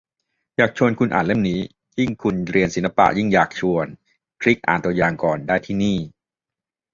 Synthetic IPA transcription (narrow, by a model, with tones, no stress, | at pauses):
jaː˨˩k̚t͡ɕʰu˧ənkʰu˧nʔa̰ː˨˩nle˥˩mniː˦˥ | ji˥˩ŋkʰu˧nɾi˧ənsi˨˩˦nla˧pa̰˧˩ʔji˥˩ŋjaː˨˩k̚t͡ɕʰu˧ən | kʰɾi˦˥k̚ʔaː˨˩nt̪u˧əjaː˨˩ŋkɔː˨˩ndaː˥˩jt̪ʰiː˥˩niː˥˩